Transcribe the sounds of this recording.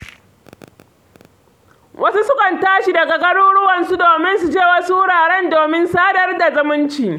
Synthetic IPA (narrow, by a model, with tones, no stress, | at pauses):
wʔɐ˦su˦sʊ˦kʼɐ˨ntaː˦ʃi˨dɐ˨ɡa˨ɡɐ˦ɽʊ˦ɽʊ˦wɐ˨nsu˦doː˨mɪ˦nsu˨d͡ʒeː˦˨wɐ˦su˦ɽaː˨ɽɛ˦ndoː˨mɪ˦nsaː˦dɐ˦rda˨zʊ˦mʊ˦nt͡ʃiː˨